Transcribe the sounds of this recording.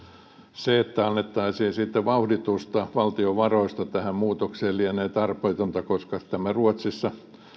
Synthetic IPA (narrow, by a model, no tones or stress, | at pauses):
seet̪ːæɑnːet̪ːɑisiːnsit̪ːeʋɑuhdit̪ust̪ɑʋɑlt̪ioʋɑroist̪ɑt̪æhæmmuːt̪okseːlliæneːt̪ɑrpoit̪ont̪ɑkoskɑt̪æmæruot̪sisːɑ